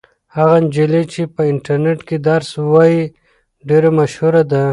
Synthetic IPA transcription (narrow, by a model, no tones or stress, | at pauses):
haɣand͡ʒelet͡ʃepəɪɳʈaɾneʈked̪aɾswaji | ɖeɾamaʃhuɾad̪a